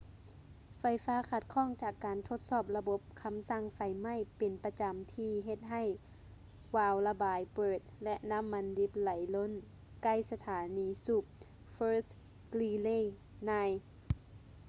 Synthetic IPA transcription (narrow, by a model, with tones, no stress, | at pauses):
fa˧˩jfaː˧˥˨kʰa˧˥t̪̚kʰɔː˧˥˨ŋt͡ɕaː˨˩kːaː˨nt̪ʰo˧˥t̪̚sɔː˧˩p̚la˧bo˧˥p̚kʰa˧msa˧˩ŋfa˨˧˩jma˧˥˨jpe˨npa˧t͡ɕa˨mt̪ʰiː˧ɦe˧t̪̚ɦa˧˩j | waː˧˩wla˧baː˨˦jpɤː˨˩t̪̚lɛ˧ʔna˧˥˨mːa˧˥ndi˧˦p̚la˨˦jlo˧˥˨n | ka˧˥˩jsa˧t̪ʰaː˨˦niː˨˧˦su˧˩p̚ | fɤː˧˥s | kliː˧leː˧˥˨ | naː˧j